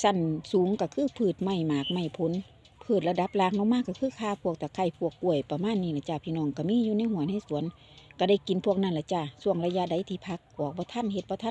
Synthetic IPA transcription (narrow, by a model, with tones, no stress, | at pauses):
sa˧˩nsuː˨˦ŋka˧˩kʰɯː˧˥˨pʰɯː˧˩t̪̚ma˧˩jmaː˨˩k̚ma˧˩˨jpʰo˧˦n | pʰɤː˧˩t̪̚la˧da˧˦p̚laː˧˨ŋ̚nɔ˧˦ŋmaː˧˥˨kːa˧kʰɯː˧˥˨kʰaː˧˨pʰu˧˩ək̚t̪ʰa˨˧˩kʰa˧˩jpʰu˧˩əkːu˧˩əjpa˧maː˧˥˨nːiː˧˨la˧˩t͡ɕaː˧˩pʰiː˧nɔː˧˩˨ŋka˧˩miː˧˥˨juː˧na˧˥˨jhu˧˨ənha˧˥˨jsu˨˦ən | ka˧˩da˧˩jki˨˦npʰu˧˩ək̚na˧˩nla˧˩t͡ɕa˧˩˨su˧əŋla˧ja˧˥da˨˦jt̪ʰiː˧˩pʰa˧˦k̚ʔɔː˨˦k̚bɔː˧˦t̪ʰa˧˥˨nhe˧t̪̚bɔː˧t̪ʰa˧˥˨